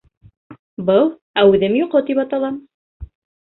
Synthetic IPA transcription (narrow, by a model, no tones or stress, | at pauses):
bɤlˠ | æʉðɘmjuqɤt̪ipɑt̪ɑlˠɑm